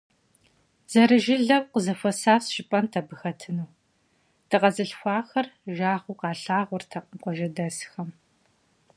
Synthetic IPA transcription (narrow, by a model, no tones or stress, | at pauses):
z̥ɐɾɨʒɪɮɐwqəzɐfɐsaːfsʃɪpʼɐntʰɐbɨxɐtʰɨnuː | d̥ʰɨqʼɐzɨɬxʷɑːxɐrʒaːʁʷuqɑːɬaːʁʷʊrtʰɐqəmqʷɔʒɐdɐsxɐm